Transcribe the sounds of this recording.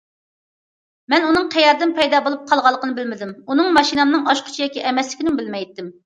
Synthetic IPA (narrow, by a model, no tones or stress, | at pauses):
mɛnunɨŋqʰɛjɑɾd̪ɪnpʰɛjd̪ɑːbolˠup̚qʰɑlˠʁɑlˠːəqənɨbɪlmɪd̪ɪmunɨŋmɑʃinɨmnɨŋɑʃqʰʊ̥t͡ʃʰijɑkʲiʔɛmɛslɪkʲinɪmbɪlmɛjt̪ːɪm